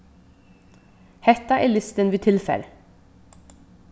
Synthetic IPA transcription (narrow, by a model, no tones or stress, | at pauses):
hɛt̪ɑʔeːlʏst̪ənʋiːt̪ʰɪlfø̰ːɾ